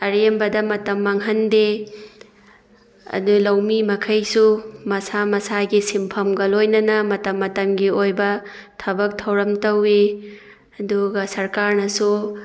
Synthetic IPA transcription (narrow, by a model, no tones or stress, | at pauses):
ɐɾembɐdɐmɐtɐmːɐŋɦɐnde | ɐ̰dulɐwmimɐkʰɐjsumɐsamɐsaɡisimpʰɐmɡɐlojnɐnɐmɐtɐmːɐtɐmɡiojbɐtʰɐbɐk̚tʰɐwɾɐmtɐwi | ɐduɡɐsɐɾkaɾnɐsu